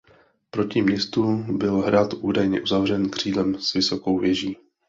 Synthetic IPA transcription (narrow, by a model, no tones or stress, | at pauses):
pɾo̞cɪmɲɛst̪ubɪlɦɾat̪ʔuːdajɲɛʔuzavr̝ɛnkr̝̥iːdlɛmsvɪso̞ko̞wvjɛʒiː